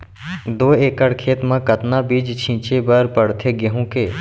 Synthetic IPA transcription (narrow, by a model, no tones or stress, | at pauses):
d̪oːeːkəɽkʰeːt̪mãkət̪nabiːd͡ʒt͡ʃʰĩːt͡ʃebəɾpəɽt̪ʰeɡeɦũkeː